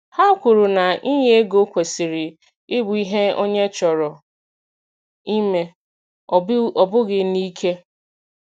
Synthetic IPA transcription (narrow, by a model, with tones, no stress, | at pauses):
ha˦kʷʊ˨ɾʊ˨na˨i˦ɲe˦e˦ɡo˦kʷe˨si˨ɾɪ˨ | ɪ˦bʊ˨˦i˦ɦe˦o̰˦ɲe˦t͡ʃɔ˨ɾɔ˨ | i˦me˦ | ɔ˨bʊ˦ɡɪ˨ni˦kʰe˦